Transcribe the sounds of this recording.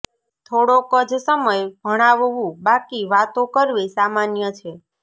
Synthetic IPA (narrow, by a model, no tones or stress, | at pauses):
t̪ʰoɽokəd͡ʒʱsəməjɡʱəɽ̃aʋoʋũbakiʋat̪õkəɾʋesamanjət͡ʃʰe